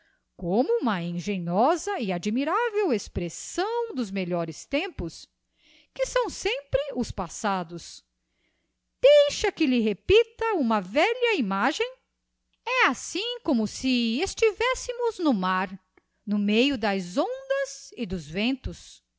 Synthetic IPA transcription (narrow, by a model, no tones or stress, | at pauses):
kõmʊũmɐẽʒẽɲɔzɐɪad͡ʒmiɾavewespɾesɐ̃w̃d̪ʊzmeʎɔɾɪst̪ẽmpʊs | kɪsɐ̃w̃sẽmpɾɪʊspasad̪ʊs | d̪̥ejʃɐkɪlɪɦepit̪ɐũmɐvɛʎɐimaʒẽj̃ | ɛasĩkõmʊsɪest͡ʃivɛsɪmʊznʊmaɾ | nʊmejʊd̪ɐzõnd̪ɐzɪd̪ʊzvẽnt̪ʊs